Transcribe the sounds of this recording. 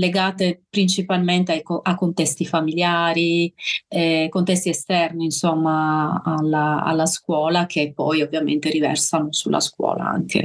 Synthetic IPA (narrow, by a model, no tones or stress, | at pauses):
leɡaːt̪epɾint͡ʃipalment̪eajkoakːont̪ɛst̪ifamiljaːɾi | ɛkont̪ɛst̪iɛst̪ɛrniːnsomːaːlːaa̰lːaskwɔːlak̟epːɔjovːjamḛnt̪eɾivɛ̰rsanosulːʔa̰skwɔ̰ːla̰a̰ŋk̟ḛ